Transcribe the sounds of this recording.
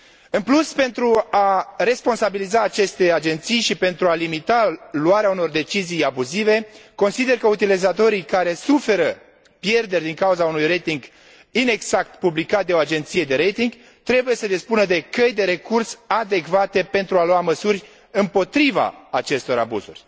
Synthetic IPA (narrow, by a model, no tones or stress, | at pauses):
ɨnpluspe̞nt̪ɾuare̞spo̞nsabilizaːt͡ʃe̞st̪e̞ad͡ʒe̞nt̪sijʃipe̞nt̪ɾualimit̪aluaɾeauno̞rd̪e̞t͡ʃizijabuzive̞ko̞nsid̪e̞rkəut̪ilizat̪o̞ɾijkaɾe̞sufe̞ɾə | pje̞rd̪e̞rʲd̪iŋkauzaunujre̞jt̪iŋɡ | ine̞ɡz̥ak̚t̪publikat̪̚d̪eo̞ad͡ʒe̞nt̪sijed̪e̞ɾe̞jt̪iŋɡ | t̪ɾe̞buje̞səd̪ispunəd̪e̞kəjd̪e̞ɾe̞kursad̪e̞kvat̪e̞pe̞nt̪ɾualuaməsurʲ | ɨmpo̞t̪ɾiva̰ːt͡ʃe̞st̪o̞ɾa̰bṵzṵrʲ